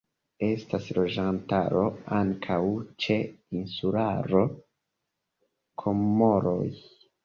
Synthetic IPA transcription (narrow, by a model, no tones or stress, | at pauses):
e̞staslo̞d͡ʒantaɾo̞aŋkʰawt͡ʃe̞insulaɾo̞ | kʰo̞mːo̞ɾo̰j